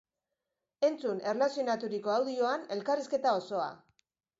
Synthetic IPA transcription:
e̞nt͡sune̞rlasio̞nat̪uɾiko̞awðio̞ane̞lkariske̞t̪ao̞so̞a̰

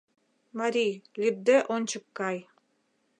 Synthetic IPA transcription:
maɾʲijlʲib̚d̪eʔont͡ɕɯkːɑj

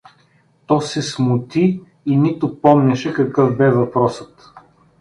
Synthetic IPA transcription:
t̪ɔsɛsmʊt̪i | init̪ʊpɔmnɛʃɛkɐkɤfbɛvɐpɾɔsət̪

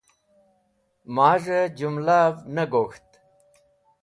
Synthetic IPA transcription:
maːʐed͡ʑumlaːvnɐɡoːxt̪

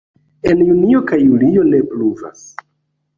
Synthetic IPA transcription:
e̞njunio̞kajulio̞ne̞pluva̰s

